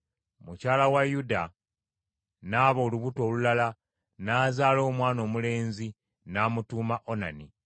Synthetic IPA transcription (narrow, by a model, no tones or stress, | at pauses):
mucaːlawajuda | naːβo̞ːluβuto̞ːlulala | naːzaːlo̞ːmwaːno̞ːmule̞ːnzi | naːmutuːmaʔo̞nani